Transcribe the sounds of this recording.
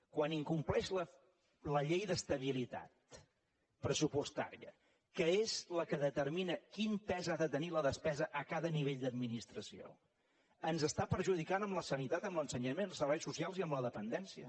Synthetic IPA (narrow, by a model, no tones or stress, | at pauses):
kwaniŋkumplɛʃlə | ləʎejðəst̪əβilit̪a̰t̪̚ | pɾəsupust̪a̰ɾḭə̰ | kəezləkəðət̪əɾminəkimpɛzaðət̪əniləðəspɛzəʔəkaðəniβeʎd̪əd̪minist̪ɾəsio̰ | ənzəst̪apəɾʒuðikanəmləsənit̪at̪əmlənsəɲəmenlˠsəɾβɛjsusialˠziəmləðəpənd̪ɛnsiə̰